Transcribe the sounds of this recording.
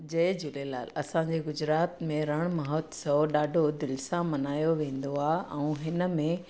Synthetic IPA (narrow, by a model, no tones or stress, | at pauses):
d͡ʑɐɪd͡ʑʊlela̰ːlɐsãd͡ʑeɡʊd͡ʑɾaːt̪mẽɾɐɽ̃mɐɦɔːt̪sɐɗaːɖʱod̪ɪlsãmɐnaːjoʋẽːn̆d̪oaːɦʔɛ̃ũɦɪnə̆mẽ